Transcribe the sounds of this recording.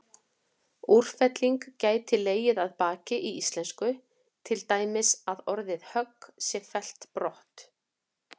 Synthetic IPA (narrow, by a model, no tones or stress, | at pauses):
ur̥fɛt̪liŋkcaːjt̪ʰɪlːeːjɪðaðpaːcɪʔiist̪lɛnskʏ | t̪ʰɪlt̪aːjmɪsaðɔɾðɪðhœkːsjɛfɛl̥t̪pɾɔht̪